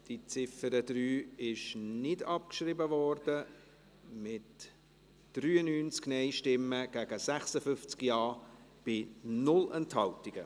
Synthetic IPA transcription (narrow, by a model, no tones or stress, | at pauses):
d̥it͡sɪfəɾədryːɪʃnɪdɑp̚kʃribəvɔrd̥ə | mɪt | d̥ryːənyːnt͡sknɛɪʃtɪmːəɡ̥æɡ̥əsæχsəfʏft͡skjɑːb̥ɪnʊlɛnthɑltɪɡ̥ə